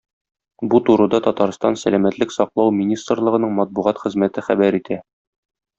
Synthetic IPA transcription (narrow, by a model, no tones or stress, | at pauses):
but̪uɾɤ̆d̪ɑt̪ɒt̪ɑɾst̪ɑnsælæmæt̪lɘksɒqlˠɑwmʲinʲist̪rlˠɤ̆ʁɤ̆nɤɴmɒt̪̚buʁɑt̪χɘ̆zmæt̪ɘχæbæɾit̪ʰæ